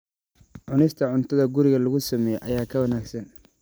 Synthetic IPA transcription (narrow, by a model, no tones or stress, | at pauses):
ʕʊnɪst̪ʰɐʕʊnt̪ʰɐðɐɡʊɾɪɣɐlɐɣʊsɐmɛːjɛʔɐjaːkʰɐwɐnaːɡsɐn